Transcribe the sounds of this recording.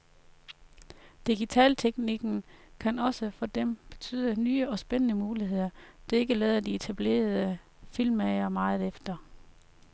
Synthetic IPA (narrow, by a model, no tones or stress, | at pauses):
d̥iɡ̥it͡sʰɛ̰ːlt͡sʰeɡ̥niɡ̥n̩kʰænɒ̽səfɒ̽d̥emb̥e̝t͡sʰy̰ːð̞ˠənyːəɒ̽sb̥enənəmuːliɦe̝ð̰ˠɐd̥e̝e̝ɡ̥əlɛːð̞ˠɐd̥ie̝t͡sʰæb̥le̝̰ːɐð̩ˠə | filmæɪɐmɑ̈ːð̞̩ˠefd̥ɐ